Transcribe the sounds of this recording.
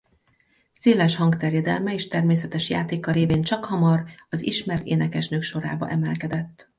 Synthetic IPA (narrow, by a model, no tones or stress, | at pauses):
seːlɛʃhɒŋɡt̪ɛrjɛd̪ɛlmɛeːʃt̪ɛrmeːsɛt̪ɛʃja̰ːt̪eːkɒɾeːveːnt͡ʃɒkhɒmɒrɒzḭʃmɛrt̪ḛːnɛkɛʃnøːkʃo̞ɾa̰ːbɒ̰ʔɛmɛlkɛd̪ɛt̪ː